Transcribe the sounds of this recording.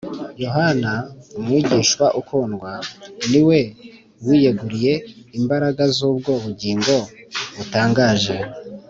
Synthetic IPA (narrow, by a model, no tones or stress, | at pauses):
jo̞ɦanaumŋiːɟiːʃwaʔukoːnɡwaniwe̞ | wije̞ɡuɾije̞imbaɾaɡazuːb̚ɡo̞βuɟiːŋɡo̞βutaːŋɡaːʒe̞